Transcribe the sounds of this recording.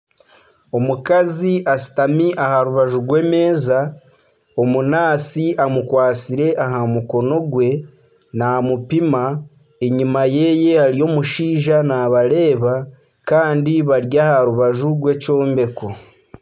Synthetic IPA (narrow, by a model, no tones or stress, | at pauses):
o̞mukaziʔasi̥tamiʔahaɾuβaʒuɡwe̞ːme̞ːza | o̞munaːsiʔamukwaːsiɾe̞ʔaɦamuko̞no̞ɡwe̞ | namupima | eɲimaje̞ːje̞haɾijo̞muʃiːʒanaβaɾe̞ːβa | kaːndiβaɾjahaɾuβaʒuɡwe̞ːco̞ːmbe̞ko